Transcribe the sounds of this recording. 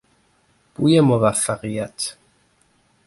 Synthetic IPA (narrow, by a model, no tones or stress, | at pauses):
pujɛmɔβafaʁjat̪